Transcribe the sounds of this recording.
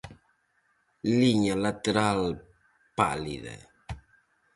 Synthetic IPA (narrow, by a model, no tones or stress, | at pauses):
liɲalat̪eɾal | pa̰liðḛ